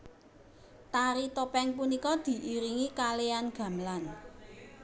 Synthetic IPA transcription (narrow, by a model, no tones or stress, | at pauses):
t̪aɾit̪opɛŋpunikɔd̪̥i̤ʔiɾiŋikaleanɡ̥ä̤mlan